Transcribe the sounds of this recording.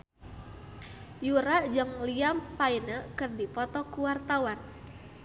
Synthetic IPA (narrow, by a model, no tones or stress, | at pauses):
juɾaʔd͡ʒəŋliampainəkɨrdipɔt̪ɔkuwart̪awan